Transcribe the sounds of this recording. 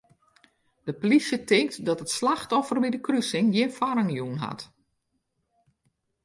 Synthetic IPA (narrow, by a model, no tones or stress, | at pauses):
d̥əplisjətɪŋktdɔtətslaxtɔfərbidəkrysɪŋjɪnfaɾəŋjunɦa̰t